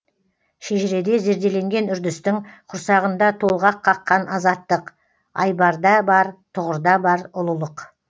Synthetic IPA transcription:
ʃeʒɪɾe̞d̪e̞ze̞ɾd̪e̞le̞ŋɡʲe̞nʏɾd̪ɪst̪ɪŋqʰʊɾsɑʁənd̪ɑt̪ʰolˠʁɑqʰːɑqːɑnɑzɑt̪ːəq | ɑ̰jbɑɾd̪ɑbɑɾt̪ʰʊʁəɾd̪ɑbɑɾʊlˠəlˠəq

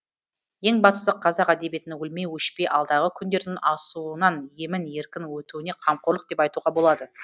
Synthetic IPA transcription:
je̞ŋbɑst̪ə̥səqʰːɑzɑqæd̪e̞bje̞t̪ɪnewɵlme̞wɵʃpejʔɑlˠd̪ɑʁəkʲʰʏnd̪e̞ɾd̪ɪnɑsuənɑnje̞mɪnje̞ɾkʲɪnwɵt̪uwɪne̞qʰɑmqoləqd̪e̞pɑjt̪uʁɑbo̞lˠɑd̪ə

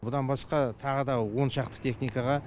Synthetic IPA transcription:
bʊd̪ɑnbɑsqɑt̪ʰɑʁəd̪ɑwo̞nʃɑqt̪ə̥t̪ʰe̞χnijkɑʁɑ

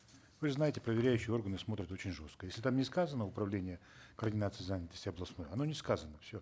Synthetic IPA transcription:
vɨznajɪtʲɪ̥pɾəvʲɪɾʲæjʉɕːɪjɪo̞rɡənɨsmo̞t̪ɾʲɪt̪o̞t͡ɕɪnʲʐo̞st̪kəjesʲlʲɪt̪amnʲɪskazənːəʊpɾɐvlʲenʲɪjəkərdʲɪnat̪sɨɪzanʲɪt̪əsʲtʲɪɐblˠɐsno̞jɐno̞nʲɪskazənəfsʲo

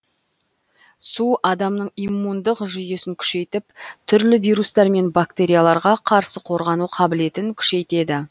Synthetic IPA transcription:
suʔɑd̪ɑmnəɴimːund̪əqʒʏje̞sɪŋkʲʰʏ̥ʃe̞jt̪ɪpt̪ʰʏɾlɪvijɾust̪ɑɾme̞nbakt̪e̞ɾʲijalˠɑɾʁɑqʰɑɾsəqʰo̞ɾʁɑnuqʰɑbɪle̞t̪ɪŋkʲʰʏ̥ʃe̞jt̪e̞d̪ɪ

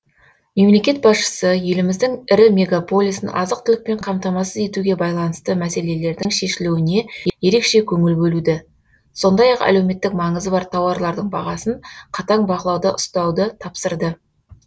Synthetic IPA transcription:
me̞mle̞kʲe̞t̪̚bɑsʃə̥səje̞lɪmɪzd̪ɪŋɪɾɪmʲe̞ɡapo̞lʲˠisənʔɑ̰zəq̚t̪ʰɪlɪk̚pe̞ɴqʰɑmt̪ɑmɑsəze̞t̪uɡʲe̞bɑjlˠɑnəst̪əmæse̞le̞le̞ɾd̪ɪŋʃe̞ʃɪluwɪne̞je̞ɾe̞kʃe̞kʲʰɵŋɪlbɵlud̪ɪ | so̞nd̪ɑjɑqæ̰lewme̞t̪ːɪkmɑɴəzəbɑɾt̪ʰɑwɑɾlˠɑɾd̪əɴbɑʁɑsəɴqʰɑt̪ɑɴbɑʁəlˠɑwd̪əʔʊst̪ɑwd̪ət̪ʰɑpsəɾd̪ə

